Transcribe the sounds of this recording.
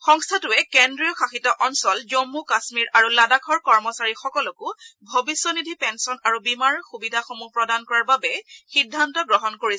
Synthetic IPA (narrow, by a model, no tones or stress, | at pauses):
xɔŋstʰatʊɛkendɹijɔxʰaxitɔʔɔnsɔlzomːukasmiɹaɹuladakʰɔɹkɔɹmɔsaɹixɔkɔlɔkʊbʱobisjɔnidʱipɛnsɔnaɹubimaɹxubidʱaxomupɹɔdankɔɹaɹbabɛxidʱːantɔɡɹɔɦɔnkoɹi